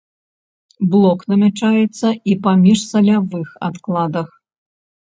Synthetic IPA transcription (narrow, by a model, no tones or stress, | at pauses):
blˠɔknɐmʲat͡ʂajɛt̪sːɐipamʲiʂsɐlʲavɨxa̰t̪klˠad̪ɐx